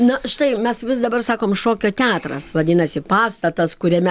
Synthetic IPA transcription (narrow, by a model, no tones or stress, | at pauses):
nʊʃt̪ɐɪmʲɛsʋʲɪs̬d̪ɐbɐrsɑːkoːmʃoːkʲoːt̪ʲæːt̪ɾɐ̰sʋɐd̪ʲɪnɐsʲɪpɑːst̪ɐt̪ɐskʊɾʲɛmʲɛ